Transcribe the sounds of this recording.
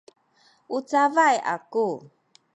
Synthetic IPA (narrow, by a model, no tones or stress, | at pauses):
ʔut͡savajʔa̰ku